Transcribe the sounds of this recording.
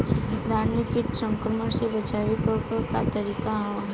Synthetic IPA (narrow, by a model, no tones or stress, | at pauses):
d̪ʱaːɾnit̪iʈsə̃ŋkɾəməɾsebət͡ʃaʋikkat̪əɾiːkaɦɛ